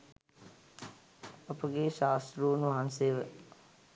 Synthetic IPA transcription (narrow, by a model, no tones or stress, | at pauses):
ɐpəɡeʃaːst̪ɾuːnuʋɐɦanseːʋə